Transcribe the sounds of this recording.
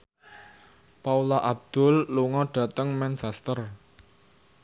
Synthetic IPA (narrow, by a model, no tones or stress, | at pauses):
paulaʔab̚d̪̥ʊ̤lːuŋɔɖ̥a̤t̪əŋmɛnt͡ʃɛst̪ər